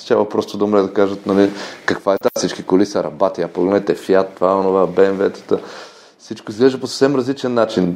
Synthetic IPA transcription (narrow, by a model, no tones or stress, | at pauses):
t̪javɐpɾɔst̪od̪ɐmoɾɛd̪ɐkaʒət̪nɐlikɐkvaɛt̪asit͡ʃkikolisɐɾɐ̰bat̪iaɐkpoɡlɛnɛt̪ɛfiat̪ːvaɛonovabɛːnvɛt̪ə̥t̪ə | sit͡ʃkoizɡlɛʒəposə̥fsɛmɾɐzlit͡ʃɛnːat͡ʃin